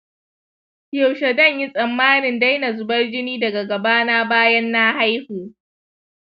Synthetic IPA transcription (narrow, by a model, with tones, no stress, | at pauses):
ja˨wʃe˨dɐ˦˨ɲji˦sʼɐ˨mːaː˦nɪ˨nda˦jna˨zʊ˨bɐ˦rd͡ʒɪ˦niː˦dɐ˨ɡa˨ɡɐ˨baː˦naː˦baː˦jɐ˦nːa˦ha˦jɸuː˨